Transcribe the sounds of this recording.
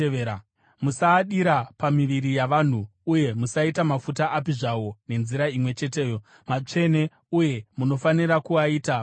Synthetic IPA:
a | musaːɗiɾapamiʋiɾijaʋan̤uːje̞musaitamafutaʔapiʐawo̞ne̞nziɾaimwe̞t͡ʃe̞te̞ːjo | mat͡ʂe̞ne̞ | uje̞muno̞faniɾakuaiːta

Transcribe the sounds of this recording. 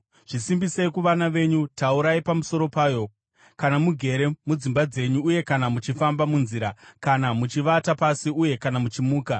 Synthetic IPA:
ʐ̥isimbiseikuʋanaʋe̞ɲutauɾaipamuso̞ɾo̞paːjo̞ | kanamuɡʱe̞ɾe̞mud͡zimbad͡ze̞ɲuːje̞kanamut͡ʃifambamunziːɾakanamut͡ʃiʋatapasiuje̞kanamut͡ʃimuːka

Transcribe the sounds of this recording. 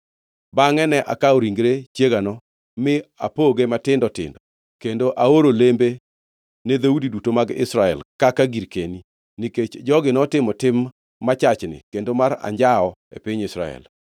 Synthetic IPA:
baŋɛnɛʔa̰kaɔɾiŋɡɾet͡ʃjeɡanɔ | mɪa̰poɡematɪndɔtɪ̰ndɔ | kendoʔaoɾolembe | ned̪audidutomaɡɪ̰sɾaɛ̰lkakaɡiɾkeni | niket͡ʃd͡ʒɔɡɪnɔtɪmɔtɪmː | at͡ʃat͡ʃnɪ̰kendomaɾa̰ɲd͡ʒaɔḛpɪɲɪsɾa̰ɛ̰l

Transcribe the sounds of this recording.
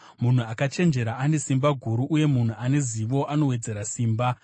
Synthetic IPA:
mun̤uakat͡ʃe̞nd͡ʒe̞ɾaʔane̞simbaɡʱuɾuʔːje̞mun̤uane̞ziʋo̞ʔano̞we̞d͡ze̞ɾasiːmba

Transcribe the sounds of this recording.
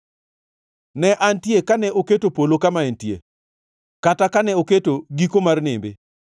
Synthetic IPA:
nɛʔantjekanɛʔoketopolokamaentjḛ | katakanɛoketoɡikomarnɪmbɪ

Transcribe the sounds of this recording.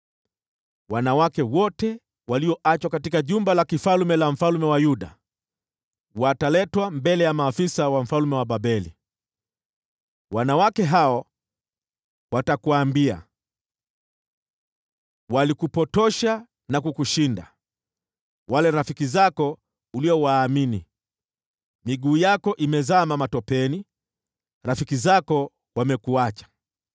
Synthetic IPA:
wanawakɛwɔtɛ | waliɔʔat͡ʃwakatikaʄumbalakifalmɛlam̩falumɛwajuɗa̰ | watalɛtwambɛlɛjamaːfisawam̩falmɛwaɓaɓɛlḭ | wanawakɛɦaɔ | watakuaːmbia̰ | walikupɔtɔʃa | nakukuʃinda̰ | walɛɾafikizakɔ | uliɔwaːminḭ | miɠuːjakɔʔimɛzamamatɔpɛni | ɾafikizakɔ | wamɛkuat͡ʃḁ

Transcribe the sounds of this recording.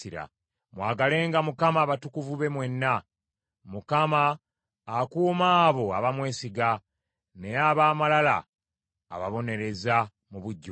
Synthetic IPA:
iɾa̰ | mwaːɡale̞ːŋɡamukamaːβatukuvuβe̞mwe̞nːa | mukamaː | kuːmaːβo̞aβamwe̞ːsiɡa | ne̞jaβaːmalala̰ː | βaβo̞ne̞ɾe̞za | muβuɟːo

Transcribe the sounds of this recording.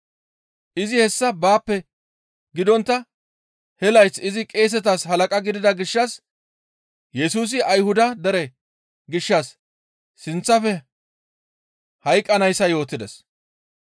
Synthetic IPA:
ʔɪzɪhɛsːɐbaːpːɛ | ɡɪd̪ɔnt̪ːɐ | hɛlɐjt͡sːɪzɪkʼe̞ːs̬ɛt̪ashɐlɐkʼɐɡɪd̪ɪd̪ɐɡɪʃːɐs | jɛsuːs̬ɪʔɐjhʊd̪ɐd̪ɛɾɛ | ɡɪʃːɐsː | ɪnt͡sːɐfɛ | hɐjkʼːɐnɐjsːɐjo̞ːt̪ːɪd̪ɛs

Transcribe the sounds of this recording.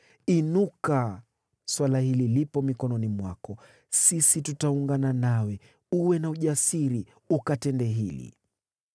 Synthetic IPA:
inuka | swalahililipɔmikɔnɔnimwa̰kɔ | sisitutauŋɡananawɛ | uwɛnauʄasiɾi | ukatɛndɛɦilḭ

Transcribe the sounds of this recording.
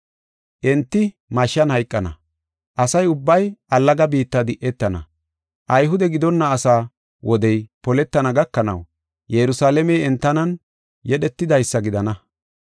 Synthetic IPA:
ʔɛnt̪ːɪ | mɐʃːɐnhɐjkʼːɐnɐ̰ | ʔɐsɐjʊbːɐjʔɐlːɐɡɐbiːt̪ːɐd̪ɪʔɛt̪ːɐnɐ̰ | ʔɐjɦʊd̪ɛɡɪd̪ɔnːɐːsaː | wʔɔd̪ɛjpɔlɛt̪ːɐnɐɡɐkːɐnɐ̰w | jɛɾʊsaːlɛmɛjɛnt̪ːɐnɐn | jɛɗɛt̪ːɪd̪ɐjsːɐɡɪd̪ɐnɐ

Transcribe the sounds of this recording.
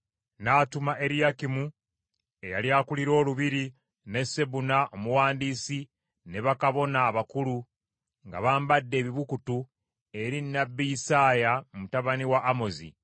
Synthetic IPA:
naːtumaʔe̞ɾijakimu | e̞ja̰ljaːkuliɾo̞ːluβiɾi | ne̞se̞βunaʔomuwaːndiːsi | ne̞βakaβo̞naːβakulu | ŋɡa̰βaːmbadːe̞ːβiβukutu | e̞ɾinːabːijisaːjamumutaβaniwaʔːmo̞zḭ

